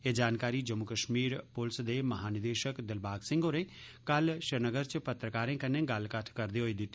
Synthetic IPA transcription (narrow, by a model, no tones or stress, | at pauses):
eːd͡ʒaːnkaːɾiːd͡ʒəmukəʃmiːɾpʊlsd̪eːməɦaːnɪd̪eːʃəkd̪ɪlbaːɡsɪ̃ŋɡɦoːɾẽː | kəlʃəɾnəɡəɾt͡ʃpət̪ɾəkaːɾẽːkənẽːɡəlkəʈʰkəɾd̪eːɦoːiːd̪ɪt̪ː